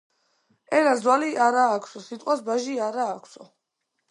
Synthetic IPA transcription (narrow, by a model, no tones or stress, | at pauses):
ɛnazwaliʔaɾaːkʷʰsɔsit̪ʼwasbaʒiaɾaːkʷʰsɔ